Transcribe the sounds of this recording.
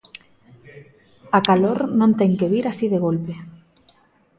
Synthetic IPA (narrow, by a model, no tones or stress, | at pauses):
akaloɾnõnt̪eŋkeβiɾasiðeɣ̞olpe